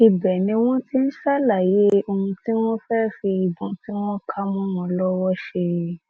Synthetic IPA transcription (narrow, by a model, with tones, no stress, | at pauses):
i˨bɛ˨nĩ˧˦w̃ɔ̃˦ti˦n̩˦ʃa˦la˦˨je˨˦o˧ũ˧ti˦w̃ɔ̃˦fɛː˦fi˧i˨bɔ̃˨ti˦w̃ɔ̃˦kʰa˦mũ˦wɔ̃˧lɔ˦wɔ˦ʃe˧˨˦